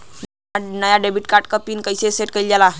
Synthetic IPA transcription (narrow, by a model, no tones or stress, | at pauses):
n | nəjaɖebiʈkaɾʈ̚kəpinkəjseseʈ̚kəild͡ʑala